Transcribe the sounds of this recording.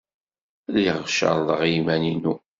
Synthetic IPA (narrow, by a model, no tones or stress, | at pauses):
liʁʃə̰ɾˤlˤəʁjimæninu